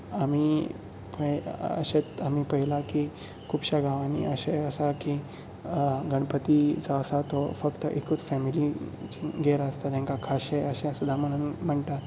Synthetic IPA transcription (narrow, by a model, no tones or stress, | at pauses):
ami | pəə̰ɕet͡samipəɦilaki | kʰuːbɕaɡaʋanḭʔəɕeəsaki | ɡəɳ̃pət̪id͡zaəsat̪ofəkt̪əʔekut͡sfɛmilit͡ɕiɡeɾaəst̪at̪jẽŋkakʰaɕeəɕẽsud̪ʱam̤əɽ̃unm̤əɳʈ̪a